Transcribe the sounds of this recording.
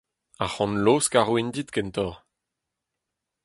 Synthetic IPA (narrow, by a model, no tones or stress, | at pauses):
aχɑ̃nloskaʁwind̪it̪kɛnt̪ɔʁ